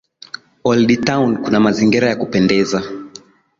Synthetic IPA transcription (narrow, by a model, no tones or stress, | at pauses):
ɔlditawnkunamaziŋɡiɾajakupɛndɛza